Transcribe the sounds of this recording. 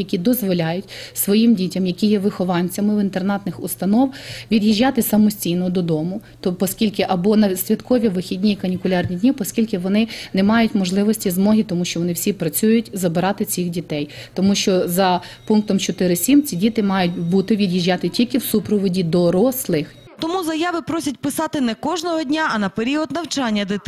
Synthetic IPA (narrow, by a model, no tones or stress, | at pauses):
jɐkʲid̪ɔzʋɔlʲajʊtʲsʋɔjimdʲitʲɐmjɐkʲijɛʋɪxɔʋɑnʲt͡sʲɐmɪwɪnt̪ernɑt̪nɪxʊst̪ɐnɔwʋʲid̪jiʒʲːat̪ɪsɐmɔsʲtʲijnɔd̪ɔd̪ɔmʊt̪pɔskʲilʲkɪʔɐbɔnɐsʲʋʲɐt̪kɔʋʲiʋɪxʲidʲnʲijikɐnʲikʊlʲɑrnʲidʲnʲipɔskʲilʲkɪʋɔnɪnɛmɑjʊtʲmɔʒlˠɪʋɔsʲtʲizmɔɦʲit̪ɔmuʃt͡ʃɔʋɔnɪwsʲipɾɐt͡sʲujʊtʲzɐbɪɾɑt̪ɪt͡sʲixdʲit̪ɛjt̪ɔmuʃt͡ʃɔzɐ | punk̚t̪ɔmt͡ʃɔt̪ɪɾɪsʲimt͡sʲidʲit̪ɪmɑjʊt̚ʲbut̪ɪʋʲid̪jiʒʲːat̪ɪtʲilʲkɪwsupɾɔʋɔdʲid̪ɔɾɔslˠɪx | t̪ɔmuzɐjaʋɪpɾɔsʲɐt̚ʲpɪsɑt̪ɪnɛkɔʒnɔɦɔdʲnʲaɐnɐpeɾʲiɔd̪nɐwt͡ʃanʲːɐd̪ɪt̪ɪ